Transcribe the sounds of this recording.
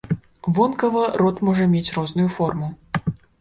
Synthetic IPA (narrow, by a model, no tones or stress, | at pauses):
vɔnkɐvɐɾɔt̪mɔʐɐmʲet͡sʲrɔznujufɔrmu